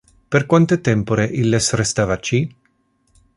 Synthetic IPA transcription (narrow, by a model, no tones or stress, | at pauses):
perkwant̪et̪ɛmpoɾeʔilːesrest̪avat͡ʃi